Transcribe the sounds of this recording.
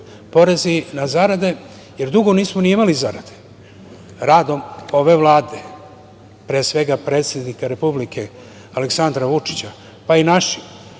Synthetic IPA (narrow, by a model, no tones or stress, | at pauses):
po̞ɾezinazaɾad̪e̞ | je̞ɾd̪uɡo̞niːsmoniimalizaɾad̪e̞ | ɾaːd̪o̞mo̞ʋe̞ʋlˠaːd̪e̞ | pɾeːsʋe̞ɡapɾeːt̪se̞d̪nikaɾe̞publike̞ | aleksand̪ɾaʋut͡ʂi̥t͡ɕa | painaʃi̥